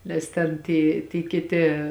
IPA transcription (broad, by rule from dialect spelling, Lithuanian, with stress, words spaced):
ˈnʲɛs tʲɛn ˈtʲiː tʲiː kʲɪˈtʲɪ